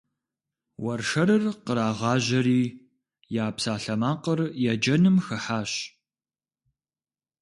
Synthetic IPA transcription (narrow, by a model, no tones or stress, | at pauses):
wɐrʂɐɾɨrqəɾaːʁɑːʑɐɾiː | jaːpsaːɬɐmaːqərjad͡ʒɐnɨmxɨħaːɕ